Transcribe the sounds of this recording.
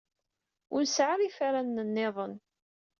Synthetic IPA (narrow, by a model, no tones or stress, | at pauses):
ʊnsʕaɾifaɾanːənːeðˤən